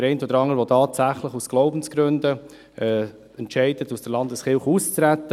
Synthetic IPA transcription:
əɾɛɪntɔd̪əɾɑŋːəɾvʋotʰɑːtsæχləχusɡ̥loʊbən̩sɡ̥ɾɵndə | ɛ | ɛntʃɛɪd̥ətusd̥əɾlɑndəsχɪlχuːst͡sɾæt̪ːə

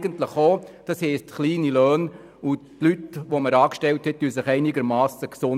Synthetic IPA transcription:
ɡəntləχoːd̥ɑshɛɪstχliːnilœːn | utlytʋoməɾɑːkʃtɛlthɛt̚d̥ysɪχɛɪnɪɡəɾmɑːsəksʊn

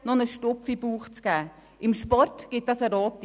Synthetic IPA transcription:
nɔnəʃtɔpfibuːχt͡sɡ̥æː | ʔɪmʃpɔrtɡ̥ɪt̚d̥ɑsəɾoːt

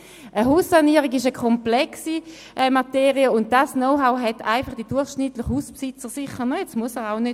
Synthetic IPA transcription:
ʔəɦuːsːaniːəʁiɡiʃəkʰɔmplɛksi | ʔɛmateːʁiəʊnt̚d̥asnoʊɦaʊɦɛtʰaɪfɑχd̥id̥uɐχʃnɪtlɪχhuːspsɪt͡səʁsɪχənəjet͡smuəsəʁaʊnø

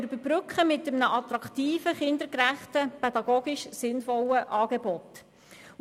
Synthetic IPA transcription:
ɾybəɾbɾʏkχəmɪtːəmnəʔɑt̪ɾɑkt̪iːfəχɪnd̪əɾkɾæχtəpɛd̥̪ɑɡoːɡiʃsɪnfɔləʔɑːɡ̥ebɔt

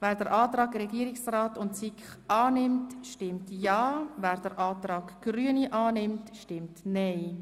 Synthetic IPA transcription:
vɛːɾdəɾʔɑːtɾɑːɡɾɛɡiəɾɪksraːtʊntt͡sikχɑːnɪmtʃtɪmtjɑːvɛːɾd̥əɾʔɑːtɾɑːɡɡ̥ryəniʔɑːnɪmtʃtɪmtnɛɪ

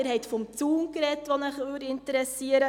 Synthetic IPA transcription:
ɪɾɦɛɪtfɔmt͡suːŋkɾɛtʋonəχøːɾɪntəɾɛsiəɾə

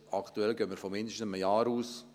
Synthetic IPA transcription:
ɑkt̪uɛlɡøːmɪɾfɔmɪnd̪əʃtn̩məjɑːɾuːs

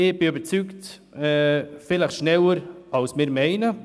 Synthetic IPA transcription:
ɪb̥ɪybət͡sykt̪ː | fɪləʃnɛləɾʔɑlsmɪɾmeɪnə

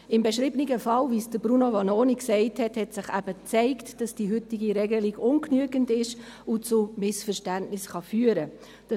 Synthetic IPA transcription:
ɪmbɛʃɾiːbniɡəfɑlviːsd̥əbɾunovɑnoːniksɛɪthɛthɛtsɪχæb̥ət͡sɛɪktd̥ɑsd̥iːɦʏtɪɡiɾɛɡəliɡʊnknyəɡəndɪʃ | ʊt͡sʊmɪsfəʃtæntnɪsχɑfyːɾə | d̥

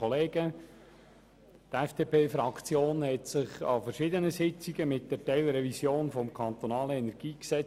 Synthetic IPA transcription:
oleːɡ̥ə | t̪ɛfd̥eːpʰeːfɾɑkt͡sjoːnhɛtsɪχɑ̰fərʃɪd̪ənəsɪt͡siɡəmɪt̚d̥ɛɾtɛɪlɾɛvisjoːnfɔmkʰɑnt̪onɑːləɛnɛɾɡ̥iːksɛt͡s

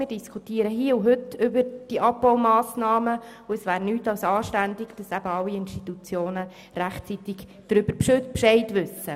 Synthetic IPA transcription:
mɪːɾdiskʰutiːəɾəɦiːəʊɦʏtʏbəɾd̥iʔɑpbɔwmɑːsnɑːməuɛsʋæːɾnyːtɑwsɑːʃtændɪɡd̥ɑsæb̥əɑwːiɪnʃtitut͡sjoːnə | ræχt͡sit̪ɪɡ̥d̥ɾʏb̥əɾpʃpʃɛɪtʋʏsːə

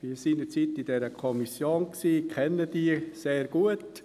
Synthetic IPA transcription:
ʋiːɾsindət͡sitidɛɾəkʰɔmisjoːnksiːkʰɛnːəd̥iːseːɾɡ̥uət

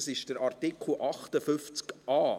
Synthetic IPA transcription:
sɪʃd̥əɾʔɑrtɪkʰl̩ʔɑχtəfʏft͡skʔɑː

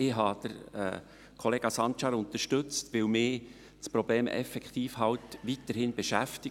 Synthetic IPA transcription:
ɪɦɑːd̪̥əɾɛ̰ | kʰɔleːɡ̥ɑsɑnt͡ʃɑɾʊnt̪əʃtɵt͡stʋɪwmɪː | t͡spɾɔb̥leːmʔɛ̰fɛkt̪iːfɦɑwtʋitəɾhɪnb̥ɛʃæft̪ɪ

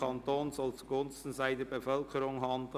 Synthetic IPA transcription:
ɑntoːnsɔlt͡suɡʊnstn̩saɪd̥əbefœlkʰəɾʊŋɦɑnd

